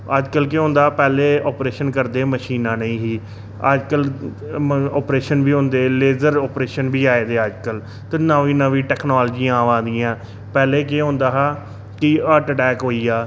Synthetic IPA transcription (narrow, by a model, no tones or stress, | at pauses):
əd͡ʒkəlkeːɦõːnd̪aːpɛːleːɔːpɾeːʃənkəɾd̪eːməʃiːnãːnəĩːɦiː | ə̰d͡ʒkəl | ɔːpɾeːʃənbiːɦõːnd̪eːleːzəɾɔːpɾeːʃənbiːaːeːd̪eːəd͡ʒkəl | t̪əːnəʋĩːnəʋĩːʈɛːknaːlːd͡ʒiːãːʋãːnd̪iːãː | pɛːleːkeːɦõːnd̪aːɦaː | kɪəːʈʈɛːkɦoːiːaː